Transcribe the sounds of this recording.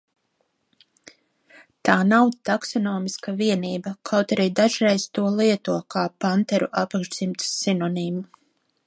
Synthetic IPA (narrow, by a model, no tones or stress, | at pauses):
t̪aːnawt̪aksɔnɔːmiskaviɛniːbɐkʰawt̪aɾiːd̪aʒɾɛjst̪uɔlˠiɛt̪uɔkaːpant̪ɛɾuʔapakɡʒz̥imt̪sinɔnimu